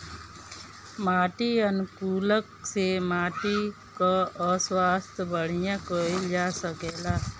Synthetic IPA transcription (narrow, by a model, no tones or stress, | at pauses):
maːʈiənʊkuːləksemaːʈi | kaəswaːst̪ʰbəɽ̤ijãkoid͡ʒaːsəkeːlaː